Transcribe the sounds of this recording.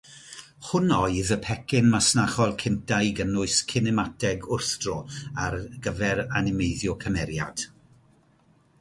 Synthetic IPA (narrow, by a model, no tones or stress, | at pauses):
hʊnɔɨðəpʰɛkʰɪnmasnaχɔlˠkʰɪntʰajɡənʊɨskʰɪnɛmatʰɛɡʊrθd̥rɔarɡ̥əvɛɾanɪmeɨðjɔkʰəmɛɾja̰d̥